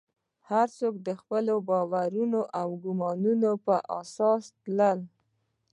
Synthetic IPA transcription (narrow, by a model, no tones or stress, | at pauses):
haɾt͡sok̚d̪əxpəlobɑwaɾunoʔawɡʊmɑnunopəʔa̰sɑst̪ləl